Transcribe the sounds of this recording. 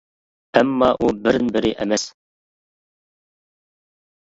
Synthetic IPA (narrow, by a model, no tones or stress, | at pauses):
æmːɑʔubɪɾnbɪɾɪʔɛmɛs